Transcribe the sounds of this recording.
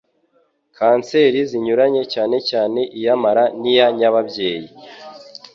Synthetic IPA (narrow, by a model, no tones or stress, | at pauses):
kʰaːnse̞ːɾiziɲuɾaɲe̞caːne̞caːne̞ʔijamaɾanijaɲaβabɟe̞ːji